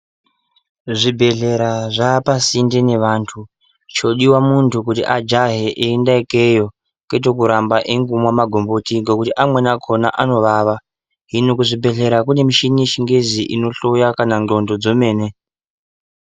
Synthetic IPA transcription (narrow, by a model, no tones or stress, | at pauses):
ʐibʱe̞ɮe̞ɾaʐaːpasindene̞ʋaːntʰu | t͡ʃo̞ɗiwamuntʰukutḭʔad͡ʒaɦeʔeindaekejo̞ | kwet̬ok̬uɾambaʔeŋɡumwamaɡʱo̞mbotiŋɡekutiʔamwe̞nakʰo̞na̰ʔano̞ʋaːʋa | ɦinokuʐibʱe̞ɮe̞ɾakune̞miʃineʃiŋɡeziʔino̞ɬo̞jakananɡo̞ndo̞d͡zo̞me̞ːne̞